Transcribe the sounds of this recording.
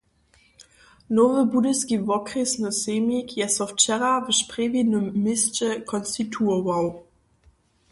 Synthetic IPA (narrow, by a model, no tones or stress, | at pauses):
nɔvəbudəskivɔkʁesnəseːmikʰjɛsɔft͡ʃɛʁavəʃpʁevidnəmːɪst͡ʃɛkʰɔnst̪itʰuəvaw